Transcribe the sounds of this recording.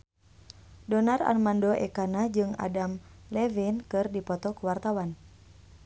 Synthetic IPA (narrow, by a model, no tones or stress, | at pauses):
dɔnara̰rmandoʔɛkanad͡ʒɨŋa̰damlɛvinkɨrdipɔt̪ɔkuwart̪awan